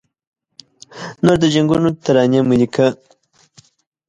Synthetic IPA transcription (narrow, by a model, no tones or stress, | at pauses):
noɾd̪əʒaŋɡunot̪aɾɑnjamulikʰa